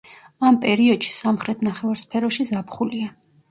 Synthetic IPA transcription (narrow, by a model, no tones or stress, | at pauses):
ampʼɛɾiɔd̪̥ʃi̥samχɾɛt̪ʰnaχɛvaɾspʰɛɾɔʃizapʰχulia